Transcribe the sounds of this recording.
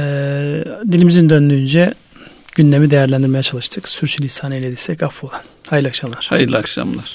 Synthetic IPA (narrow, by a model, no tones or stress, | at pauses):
ɛːd̪ilʲimizind̪ønd̪yynd͡ʒɛ | ɟynd̪e̞mid̪ejæɾlʲænd̪iɾme̞jat͡ʃʰalˠɯʃt̪ʰɯksyɾt͡ʃʰylʲisʰaːnejlʲed̪isɛcafolˠanhajɯlʲˠakʃamlˠaɾ̥hajɯɾlʲˠakʃa̰mlˠaɾ̥